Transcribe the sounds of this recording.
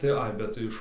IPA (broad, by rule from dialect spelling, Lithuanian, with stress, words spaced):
tɐɪ ˈɐɪ bʲɛt tɐɪ ˈɪʃ